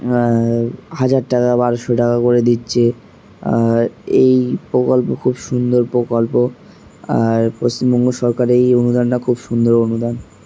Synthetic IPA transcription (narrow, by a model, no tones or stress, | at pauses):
had͡ʑaɾʈakabaɾʃoʈakakoɾed̪itːɕʰe | ejpɾokolpokʰubʃund̪oɾpɾokolpo | a̰ɾpost͡ɕimbɔŋɡoʃɔɾkaɾejonud̪anːakʰubʃund̪oɾonud̪an